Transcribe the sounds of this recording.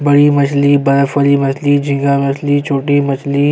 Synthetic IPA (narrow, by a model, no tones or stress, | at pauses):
bɐɽimɐt͡ʃʰliːbɐləfəliːmɐt͡ʃliːd͡ʒʱĩŋɡaːmɐt͡ʃʰliːt͡ʃʰoːʈimɐt͡ʃʰli